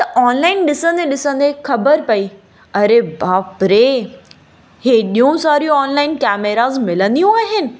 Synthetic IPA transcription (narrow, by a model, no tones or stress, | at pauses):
t̪ɐʔɔːnlaːɪnɗɪsə̃nd̪eɗɪsə̃nd̪ekʰɐbəɾpɐi | ɐɾebaːpɾe | heɗijũsaːɾijũɔːnlaːɪnkɛːmeɾaːzmɪlə̃nd̪ijũaːɦɪnɪ̆